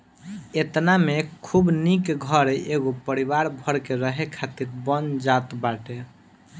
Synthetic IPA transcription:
et̪namekʰubnikɡʱəɾeeɡopəɾiʋaɾbʱəɾkeɾəɦekʰat̪iɾbənd͡ʒat̪baʈe

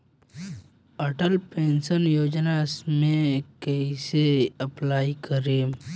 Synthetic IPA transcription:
əʈəlpẽːnsənjoːd͡ʒnasmẽkeiseɐplaːikəɾeːm

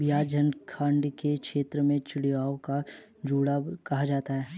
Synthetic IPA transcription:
bɪjaːd͡ʒənkʰãːɳɖkekʃeːt̪ɾəmẽt͡ʃɪɽijaːoka | d͡ʒuːɽakɐɦad͡ʒaːt̪aɦɛː

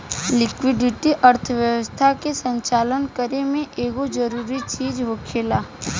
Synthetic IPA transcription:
lɪkwɪɖɪʈiʔəɾt̪ʰəʋjəwəst̪ʰakesə̃ɲt͡ʃaːlənkəɾemẽʔeːɡod͡ʒəɾuːɾit͡ʃiːd͡ʒɦoːkʰeːlaː

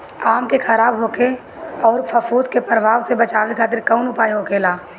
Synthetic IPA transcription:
aːmkexʰɐɾaːbɦoːke | ɔːɾfɐfuːd̪kepɾəʋaːʋsebɐt͡ʃaːʋekʰaːt̪ɪɾkɔʊnʊpaːjɦokeːlaː

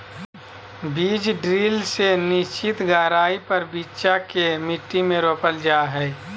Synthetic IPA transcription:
biːd͡ʒɖɾiːlsenɪst͡ʃɪt̪ɡaːɾaːipɐɾbiːtːʃakemɪʈːimẽɾoːpəld͡ʒaːɦɛː

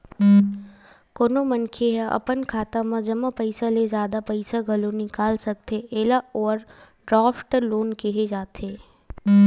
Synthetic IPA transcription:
koːnomɐnkʰeɦɛʔɐ̰pənkʰaːt̪ãmãd͡ʒɐmapɐɪsalezjaːd̪apɐɪsaɡʱɐlõnɪkaːlsɐk̚t̪eʔeːlaɔːɾ | ɖɾaːfʈloːnkeɦed͡ʒaːt̪eː

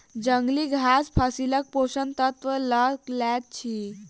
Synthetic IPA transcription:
d͡ʑəŋɡliːɡʱaspʰasilək̚poɕənt̪ət̪ʋələklat̚t͡ɕʰi

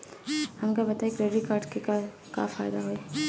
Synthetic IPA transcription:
hɐmkabɐt̪aekɾeɖɾikaːɾʈkeka | ka̰faːjd̪aɦoɛ

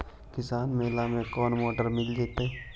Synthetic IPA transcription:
kɪsaːnmeːlamẽkɔːnmoːʈəɾmɪld̪eːt̪eɦɛː

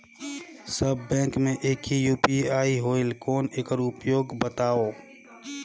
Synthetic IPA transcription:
səbːɛ̃ːkmẽʔeːkɦijuːpiaːiɦoːɪlkɔːneːkəɾʊpjoːɡbət̪aːoː

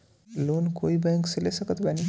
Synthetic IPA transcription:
lonkoibɛŋksəlesəkət̪bani

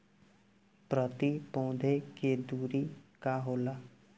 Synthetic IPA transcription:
pɾət̪ipɔ̃ːd̪ʱeked̪uːɾiːkaɦoːlaː

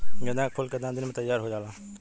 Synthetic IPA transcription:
ɡɐd̪ãːkkʰʊlkəd̪ãd̪ɪnmẽt̪ɐjːaːɾɦod͡ʒaːlaː

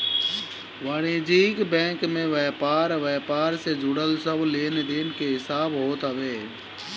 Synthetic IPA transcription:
ʋaːɽeːd͡ʒiːkbɛ̃ːŋkmẽʋɛːpaːɾʋɛːpaːɾsed͡ʒʊɽəlsəbleːned̪eːnɪkʰeːɦɪsaːbɦoːt̪əʋeː

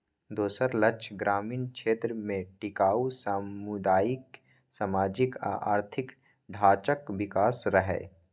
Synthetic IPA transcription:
d̪oːsəɾlət͡ʃʰɡɾaːmiːnkʃeːt̪ɾəmẽʈɪkaːusaʊd̪aːɪk | samaːd͡ʒɪka̰ʔa̰ːɾt̪ʰɪk | ɖʱaːt͡ʃəkʋɪkaːsɾəɦɛ̰ː

